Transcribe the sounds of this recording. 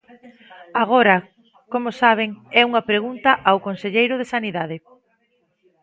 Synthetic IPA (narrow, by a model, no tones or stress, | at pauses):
aɣ̞oɾɐ | komosaβ̞eŋɛuŋɐpɾeɣunt̪ɐʔawkonseʎejɾʊðesaniðaðe